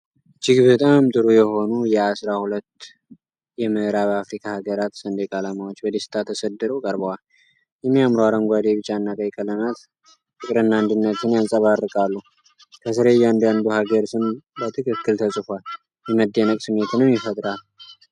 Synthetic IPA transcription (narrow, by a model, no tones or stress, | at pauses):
d͡ʒɪɡbət̪ʼamt̪ʼɨɾujɛho̞nujɛasɾahulət̪ː | jɛmɨhɾaβafɾikʰahaɡəɾat̪sənd̪ekʼalamawot͡ʃːbəd̪esɨ̥t̪ʰat̪ʰːəsəd̪ːɨɾəwkʼəɾbəwal | jɛmːijamɾowaɾəmɡʷad̪eβɨt͡ʃʼːanːak̪ʼəjkʼələmat̪ | t̪ʰɨkʼɾɨnːand̪ɨnːət̪ɨnjansʼəβarːɨkʼalːu | kʰəsɨɾejand̪and̪uhaɡəɾsɨmbət̪ʰɨkʰɨkːɨlt̪ʰəsʼɨfʷal | jɛməd̪ːenəkʼsɨmːe̞t̪ʰnːəwjɪfət̪ʼɾalu